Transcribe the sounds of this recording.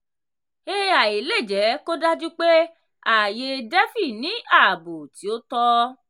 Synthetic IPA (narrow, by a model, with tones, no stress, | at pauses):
e˦a˨i˨le˦˨d͡ʒɛ˨˦ko˦da˦d͡ʒu˦k͡pe˦ | a˨je˧dɛ˦fi˦˨nĩ˨˦a˦˨bo˨ti˨˦o˦tɔ˦